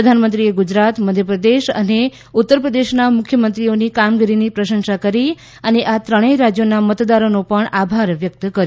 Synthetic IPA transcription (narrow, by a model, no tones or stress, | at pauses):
ɾəd̪ʱanmənt̪ɾieɡud͡ʒɾat̪məd̪ʱjəpɾəd̪eʃə̰ne | ut̪ːəɾpɾəd̪eʃnamʊkʰjəmənt̪ɾionikamɡiɾinipɾəʃə̃nʃakəɾi | əneʔat̪ɾəɽ̃eɾad͡ʒjonamət̪d̪aɾonopəɳabʱaɾʋjək̚t̪kəɾ